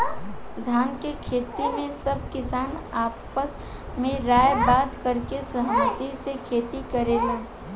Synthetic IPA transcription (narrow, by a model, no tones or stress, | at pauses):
d̪ʱaːnkekʰeːt̪imẽsɐb̚kɪsaːnaːpəs | mẽɾaːjbaːd̪kɐɾkesəɦəmət̪isekʰeːt̪ikəɾeːlaː